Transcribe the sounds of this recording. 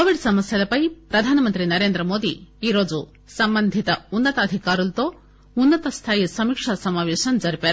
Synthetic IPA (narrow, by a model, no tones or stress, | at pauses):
koʋiɖsɐmɐsjalɐpɐjpɾɐd̪ʱaːnɐmɐnt̪ɾinɐɾeːnd̪ɾɐmoːd̪iiːɾoːd͡ʒu | sɐmbɐnd̪ʱit̪ɐunːɐt̪ɐːd̪ʱikaːɾult̪o | unːɐt̪ɐst̪ʰaːjsɐmikʂasɐmaːʋeːʃɐnd͡ʒɐɾipaːɾ